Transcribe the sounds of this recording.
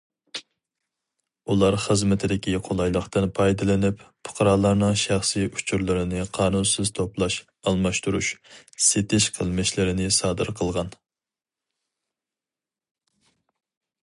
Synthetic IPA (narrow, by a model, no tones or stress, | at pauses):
ulˠɑɾχəzmɪt̪ʰɪd̪ɪkʲiqʰolˠɑjlˠəχt̪ɨnpʰɑjd̪ɨlɪnɪppʰʊ̥qʰɑɾɑːlˠɑɾnɨŋʃæχsiʔut͡ʃʰuɾlˠɨɾɪnɨqʰɑːnunsɨz̥t̪ʰoplˠɑʃ | ɑlˠmɑʃt̪uɾṵʃset̪ɪʃqʰəlˠmɪʃlɪɾɪnɪsɑːd̪ɨɾqʰəlˠʁɑn